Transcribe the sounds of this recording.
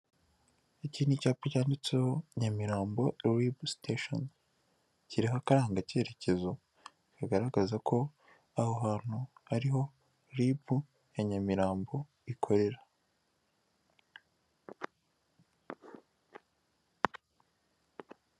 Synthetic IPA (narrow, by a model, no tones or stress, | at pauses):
iciːnicaːpocaːndit͡se̞ho̞ɲamiɾaːmbo̞ɾibusteʃo̰n | ciɾiɦakaɾaːŋɡace̞ːɾe̞ce̞zo̞ | kaɡaɾaɡazakʰo̞ | ahoɦaːn̥huhaɾiɦo̞ | ɾibu | eɲamiɾaːmbo̞ | ikʰo̞ɾe̞ɾḁ